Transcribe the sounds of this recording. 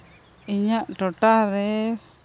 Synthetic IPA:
iɲaʔʈɔʈaɾɛ

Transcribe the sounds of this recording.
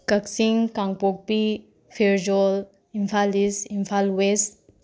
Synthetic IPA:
kəksiŋkãŋɡpok̚pi | fʰeɾd͡ʒol | imfʰalisimfʰalwest

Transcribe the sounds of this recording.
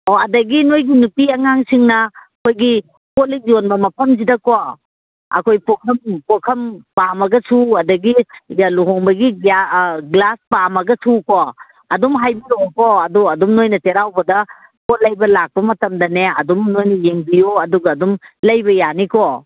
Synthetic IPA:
ɔɐdɐɡinojɡinupiɐŋaŋsiŋnɐkʰojɡi | kolik̚jonbɐmɐpʰɐmzidɐkɔ | ɐ̰kʰojpɔkʰɐmpokʰɐmpamɐɡɐsʰuɐdɐɡijluɦɔŋbɐɡiaɡlaspamɐɡɐsʰukɔ | ɐdumɦajbilokɔɐduɐdumnojnɐteɾawbɐdɐ | kɔlɐjbɐlak̚pɐmɐtɐmdɐneɐ̰dumnojnɐjeŋbijoɐduɡɐːdumlɐjbɐjanikɔ

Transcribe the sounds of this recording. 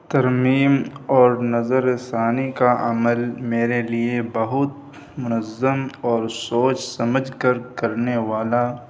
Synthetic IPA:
t̪ɐɾmiːmɔːɾnɐzəɾesaːnikaɐ̰məlmeːɾeliebɐɦʊt̪̚ | mʊnəzːəmɔːɾsoːt͡ʃsɐməd͡ʒʱkəɾkɐɾneʋaːla

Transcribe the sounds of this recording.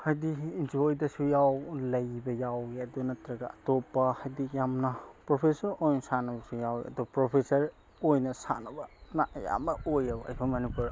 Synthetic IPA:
hajdiind͡ʒojdɐsujawlɐjbɐjawɡiɐdunɐtɾɐɡɐatopːɐhajdikjamnɐpɾopʰesɐɾojnɐsanɐbɐsujawɐ̰dɔbɐpɾopʰesɐɾ | ojnɐsa̰nɐbɐnaja̰mɐojɐba̰jpʰɐmɐnipuɾ

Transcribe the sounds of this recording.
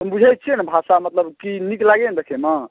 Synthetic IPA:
ɦəmbud͡ʒʱɛjt̪̚t͡ʃʰinabʱasamət̪ləbkiniklaɡend̪ekʰema

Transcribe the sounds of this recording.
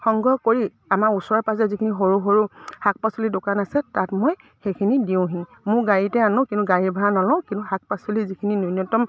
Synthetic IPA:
xɔŋɡɔkoɹi | amausɔɹɔpazɛzikʰiniɦoɹuɦoɹuhak̚pasulidʊkanasɛtatmoj | xejkʰinidiʊ̃ɦĩ | mʊɹɡaɹitɛanɔ̃kintuɡaɹiɹbʱaɦanɔlɔ̃kĩntuɦak̚pasulizikʰininunɔtɔm

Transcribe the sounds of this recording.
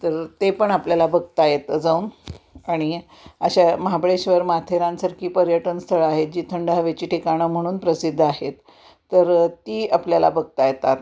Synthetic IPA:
t̪əɾt̪epəɳapljalabʱəɡ̚t̪ajet̪əd͡zaunaɽ̃i | əɕaməɦabɭeɕʋəɾmat̪ʰeɾãnsəɾkʰiːpəɾjəʈənst̪ʰəɭaɦet̪̚d͡ʑiːt̪ʰəɳɖaɦaʋet͡ɕiːʈʰikaɽ̃əm̤əɽ̃uːnpɾəsid̪ʱːaɦet̪ː | əɾt̪iːapljala̰bʱəɡ̚t̪ajet̪at̪

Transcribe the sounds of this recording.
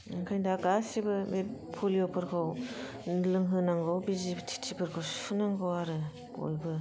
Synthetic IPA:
ɯŋkʰajdaɡasibɯmepʰolijopʰɯɾkʰɯw | nlɯŋɦɯnaŋɡɯwbizibɯtʰi̥tʰipʰɯɾkʰowsʰɯnaŋɡɯwaɾɯ | o̰jbɯ

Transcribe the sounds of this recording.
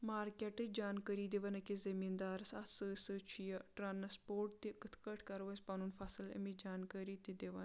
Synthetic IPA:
maːɾkʲeʈɨd͡ʒaːnkəɾiːd̪eʋɐnɐkizɐmiːnd̪aːɾsɐt̪ʰsɨsɨt͡ʃʰijɐʈɾaːnɐspoːɾʈt̪ikɨt̪ʰkəʈʰkɐɾʋɐsʲpɐnunfɐsɨlɐ̰mid͡ʒaːnkəɾit̪id̪eʋɐ̰n

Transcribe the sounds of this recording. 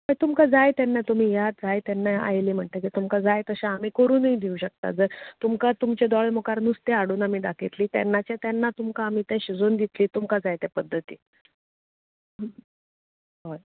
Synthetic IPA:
ɦəjt̪umkad͡zajt̪ɛnːat̪um̤iːjat̪̚d͡zajt̪ɛnːaa̰jliːm̤əɳt̪əkit̪umkad͡zajt̪əɕãam̤iːkəɾuːnid̪iũɕək̚t̪a̰d͡zəɾt̪umkat̪umt͡ɕed̪ɔɭemokaɾnust̪eaɽuːnam̤iːɖakʰet̪liːt̪ɛ̰nːat͡ɕat̪janːat̪umkaːm̤iːt̪ɛ̃ɕid͡zond̪it̪liːt̪umkad͡zajt̪ɛpəd̪ʱːət̪ḭː | ɦoj

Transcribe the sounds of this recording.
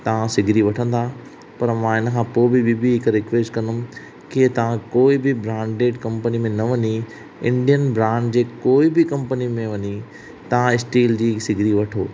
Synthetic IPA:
t̪ɐʋ̤ãsɪɡʱɾiʋɐʈʰə̃n̆d̪a | pɐɾmãɪnəkʰãːpoːbɪbibiɦɪkɾɪkʋeːsʈkɐ̃nəmɪ̆ | ket̪ɐʋ̤ãkoːibɪbɾãːɳɖɖeːɖkɐ̃mpənimẽnɐʋɐɲi | ɪ̃ɳɖijənbɾãːɳɖd͡ʑeːkoːibɪkɐ̃mpənimẽʋɐɲi | t̪ɐʋ̤ãɪsʈiːld͡ʑiːsɪɡʱɾiʋɐʈʰoː

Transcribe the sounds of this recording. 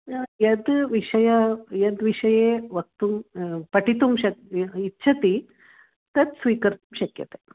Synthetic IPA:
jɐd̪ʋiʂɐjɐjɐd̪ʋiʂɐjeʋɐk̚t̪umpɐʈit̪umɕɐkitːɕʰɐt̪i | t̪ɐt̪sʋiːkɐɾt̪umɕɐkjɐ̰t̪e

